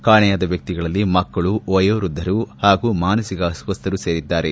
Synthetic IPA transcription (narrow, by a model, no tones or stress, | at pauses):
kaːɳɛjaːd̪ɐʋjɐk̚t̪iɡɐɭɐlːimɐkːɐɭuojoːɾud̪ʱːɐɾuhaːɡumaːnɐsiɡɐsʋɐst̪ʰɐɾuse̞ːɾid̪ːaːɾe